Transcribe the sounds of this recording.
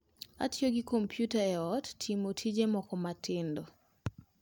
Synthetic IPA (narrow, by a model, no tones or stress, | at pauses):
a̰tʰjoɡikompjutaɛɔtːʰimotʰid͡ʒemɔkɔmatʰɪndo